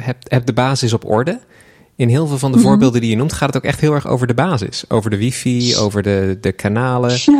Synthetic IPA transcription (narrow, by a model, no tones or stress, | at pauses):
ɦɛp̚ɦɛp̚dəbaːzɪs̬ɔpɔ̰ɹdə | ɪnɦɪːlˠvɪːlˠvɑndəvʊːɹbɪːlˠdəndijənumtχaːtətowkɛχtɦɪːlˠɛɹχo̰wvəɹdəbaːzɪ̰so̰wvəɹdəʋifio̰wvəɹdədəkʰanaːlə